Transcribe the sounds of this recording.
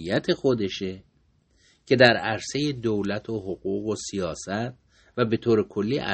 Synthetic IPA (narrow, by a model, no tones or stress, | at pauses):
jæt̪ʰe̞xo̞d̪e̞ʃe | cʰe̞d̪æɾæɾse̞je̞d̪owlæt̪ʰoɦoɣuːɣosijɒːsæt̪̚ | væbe̞t̪ʰoːɾekʰo̞lːiːʔæ̰